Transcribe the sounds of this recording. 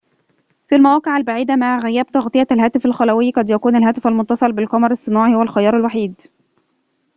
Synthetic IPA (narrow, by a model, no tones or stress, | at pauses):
filmæwæːqeʕalbaʕiːd̪æmaʕɣæjːæːb̚t̪ɑɣt̪ˤɨjːælɦæːt̪ɪfælxælæwɪjːqɑd̪jækuːnælɦæːt̪ɪfælmʊnt̪ːɑsˤɑlbɪlqɑmɑɾˤɑsˤːɨnuːʕihowælxɑjɑːɾˤalwaħiːd̪